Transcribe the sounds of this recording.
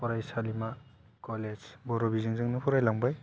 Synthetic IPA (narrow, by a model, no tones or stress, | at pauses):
pɔɾajsalima | kɔlezbɔɾɔbizɯŋzɯŋnɯpʰɔɾajlaŋbaj